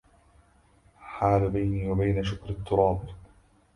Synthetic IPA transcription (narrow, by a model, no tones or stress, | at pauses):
ħaːlbajniːwabajnaʃʊkɾɪt̪ːʊɾˤɑːb